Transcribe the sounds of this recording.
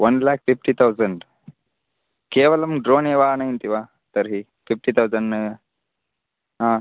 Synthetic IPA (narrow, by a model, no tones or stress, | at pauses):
ʋɐnlaːk̚pʰipʈit̪ʰɐwzɐɳɖ | keːʋɐlɐmɖɾoːneːʋaːnɐint̪iʋaː | t̪ɐɾɦi | pʰip̚ʈit̪ʰɐwzɐɳɖn | ɦãː